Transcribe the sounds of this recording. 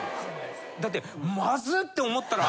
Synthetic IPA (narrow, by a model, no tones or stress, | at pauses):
d̪at̪ːe̞mazɨt̪ːe̞o̞mo̞t̪ːaɾa